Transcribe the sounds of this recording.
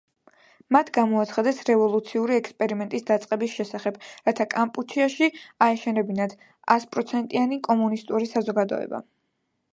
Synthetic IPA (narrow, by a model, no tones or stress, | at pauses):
mat̪ʰɡamɔat̪sʰχad̪ɛsɾɛvɔlˠut̪sʰiuɾiɛkspʼɛɾimɛnt̪ʼisd̪at̪sʼqʼɛbisʃɛsaχɛbɾat̪ʰakʼampʼut͡ʃʰiaʃiaɛʃɛnɛbinad̪ | aspʼɾɔt̪sʰɛnt̪ʼianikʼɔmunist̪ʼuɾisazɔɡad̪ɔ̰ɛ̰ba̰